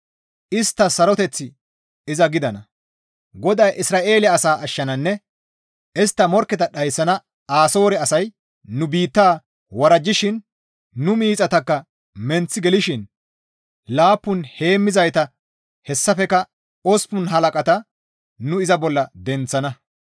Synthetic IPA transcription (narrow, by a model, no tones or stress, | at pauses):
ʔɪst̪ːɐsɐɾɔt̪ɛt͡sːɪ | ɪzɐɡɪd̪ɐnɐ | ɡɔd̪ɐjʔɪsɾaːʔe̞ːlɪɐːsaːʔɐʃːɐnɐnːɛ | ʔɪst̪ːɐmɔɾkːɛt̪ɐɗɐjsːɐnɐ | aːso̞ːɾɛɐsɐj | nʊbiːt̪ːaː | wɐɾɐd͡ʒːɪʃɪnː | ʊmiːt͡sʼɐt̪ɐkːɐ | mɛnt͡sːɪɡɛlɪʃɪn | laːpːʊnhe̞ːmːɪzɐjt̪ɐ | hɛsːɐfɛkɐ | ɔspʊnɦɐlɐkʼɐt̪ɐ | nʊɪzɐbɔlːɐd̪ɛnt͡sːɐnɐ